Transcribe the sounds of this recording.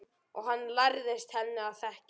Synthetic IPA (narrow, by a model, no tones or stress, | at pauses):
ɔɣɦanːlajɾðɪst̪hɛnːɪaðθɛhc